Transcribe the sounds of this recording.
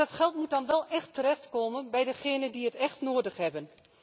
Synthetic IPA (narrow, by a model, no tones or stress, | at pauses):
ɑtχɛlˠtmut̚dɑnʋɛlˠʔɛxtəɾɛxtkoːmənbɛjdəχeːnəndiətɛxtnoːdəχɦɛbən